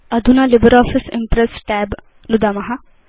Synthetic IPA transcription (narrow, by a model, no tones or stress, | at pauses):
ɐd̪ʱunalɪbəɾɔːfɪsɪ̰mpɾesʈɛːb | nud̪amɐɦɐ